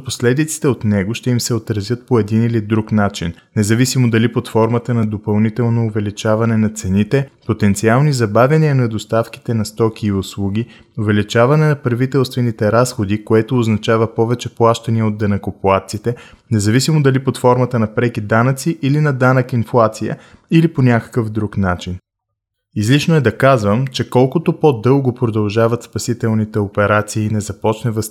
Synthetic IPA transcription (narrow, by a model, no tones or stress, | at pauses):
poslɛd̪it̪si̥t̪ɛot̪nɛɡoʃt̪ɛimsɛot̪ɾɐzʲjɤt̪̚poɛd̪inilid̪ɾuknat͡ʃinːɛzɐvisimod̪ɐlipot̪fɔɾmət̪ənɐd̪opɐlˠnit̪ɛlˠnoːvɛlit͡ʃavɐnɛnɐt̪sɛnit̪ɛpot̪ɛnt̪sialˠnizɐbavʲjɐniənɐd̪ost̪afki̥t̪ɛnɐst̪ɔkiːʊslˠuɡ̟ʲi | ovɛlit͡ʃavɐnɛnɐpɾvit̪ɛlˠst̪vɛnit̪ɛɾasxod̪ikoɛt̪oːznɐt͡ʃavɐpɔvɛt͡ʃɛplˠaʃt̪ɐniəod̪ːɐnɐkopoat̪sit̪ɛ | nɛzɐvisimod̪ɐlipot̪fɔɾmɐt̪ənɐpɾɛkid̪anət̪siʔilinɐd̪anəkinflˠat̪sijə̰iliponʲakə̥kəvd̪ɾuknat͡ʃin | izlit͡ʃnoɛd̪ɐkazvəmt͡ʃɛkɔlˠkot̪opod̪ɤlˠɡopɾod̪ɐlˠʒavɐt̪spɐsit̪ɛlˠnit̪ɛopɛɾat̪siːnɛzɐpɔt͡ʃnɛvəs